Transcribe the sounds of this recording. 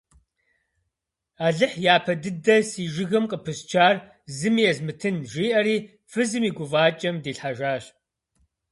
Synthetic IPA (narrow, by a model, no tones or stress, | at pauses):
aːɮɨħjaːpʰɐdɨdɐsiːʒɪɣɨmqʼəpʰɨst͡ʃʰaːr | zɨmjɛzmɨtʰɨnʒiːʔɐɾiː | fɨzɨmiːɡʷʊvaːt͡ʃʼɐmdiːɬħaʒaːɕ